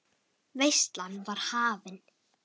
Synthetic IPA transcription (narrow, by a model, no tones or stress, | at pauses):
vejst̪lanːvaɾ̥haːvɪn